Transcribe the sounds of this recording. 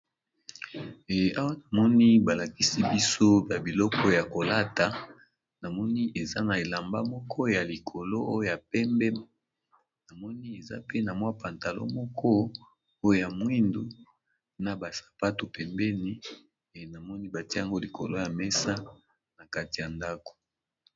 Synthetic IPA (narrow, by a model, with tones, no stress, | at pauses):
a˦wa˦na˨mɔ˦ni˦ba˨la˨ki˦si˦bi˦so˦ba˨bi˨lɔ˦kɔ˦ja˨ko˨la˦ta˨ | na˨mɔ˦ni˦e˨za̰˦na˨e˨la˨mba̰˦mɔ˦kʰɔ˦ja˨li˨kʰo˨lo˦o˦jo˦ja˨pɛ˦mbɛ˦m˦ | na˨mɔ˦ni˦e˨za̰˦pe˦na˨mwa˦pa˨nta˨lo̰˦mɔ˦kʰɔ˦ | o˦jo˦ja˨mwi˦ndu˦ | na˨ba˨sḁ˨pa˦to˨pɛ˨mbɛ˦ni˦˨ | na˨mɔ˦ni˦ba˨ti˦ja˦ŋɡo˦li˨kʰo̰˨lo˦ja˨mɛ˦sa˦ | na˨ka˦ti˨ja˨nda˦ko̥˨